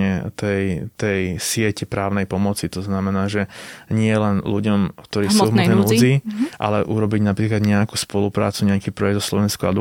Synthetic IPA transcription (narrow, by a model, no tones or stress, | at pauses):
ɛt̪ɛjt̪ɛjsɪɛcɛpɾaːʊnɛjpɔmɔt͡sit̪ɔznamɛnaːʒɛɲɪɛlɛnluɟɔmkt̪ɔɾiːsuɦmɔɛnɛmuziʔa̰lɛʔuɾɔbiɟnapɾiːklad̪ɲɛakuspɔlupɾaːt͡suɲɛakiːpɾɔjɛɡd̪zɔslɔʋɛnskuad̪